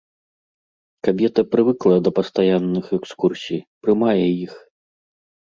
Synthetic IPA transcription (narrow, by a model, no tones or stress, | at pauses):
kabʲɛt̪ɐpɾɨvɨklˠɐd̪ɐpɐst̪ajanːɨxɛkskursʲijpɾɨmajɛjix